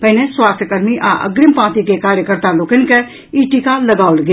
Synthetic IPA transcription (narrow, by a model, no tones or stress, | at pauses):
pəɦneswaːst̪ʰjəkəɾmiʔa̰ʔɐ̰ɡɾɪmpãːt̪ikekaːɾjəkəɾt̪aloːkənke | iːʈikalɐɡaːʊlɡ